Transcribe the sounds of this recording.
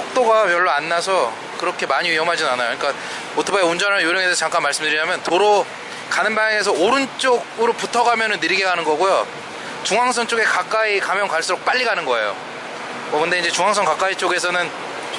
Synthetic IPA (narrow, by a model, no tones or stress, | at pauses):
sʌk̚t͈oɡamjʌɭːoanːasʰʌ | kɯɾʌkʰe̞maɲiɥjʌmɦad͡ʑinanajoɲik͈a | otʰɯbaeund͡ʑʌnɦajoɾjʌŋedesʰʌt͡ɕaŋk͈anmaɭs͈ɯmdɯɾiɲamjʌntoɾo | kanɯnbaŋjaŋe̞s̬ʰʌoɾɯnt͡ɕ͈oɡɯɾoputʰʌɡamjʌnɯnːɯɾiɡeɡanɯnɡʌɡujo | t͡ɕuŋaŋsʰʌnt͡ɕ͈oɡe̞kak͈aikamjʌŋkwaɭs͈uɾok̚p͈aʎːiɡanɯnɡʌe̞̰jo̰ | mʌkɯndeind͡ʑe̞t͡ɕuŋɦaŋsʰʌŋkak͈ait͡ɕ͈oɡe̞s̬ʰʌnɯn